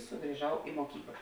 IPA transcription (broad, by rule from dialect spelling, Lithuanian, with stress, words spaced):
sʊɡrʲɪˈʒɐʊ ɪ moːˈkʲiːklˠɐ